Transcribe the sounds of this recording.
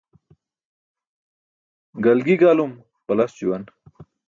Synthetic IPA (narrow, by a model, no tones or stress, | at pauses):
ɡɐlɡiɡaːlum | pɐlast͡ɕiwan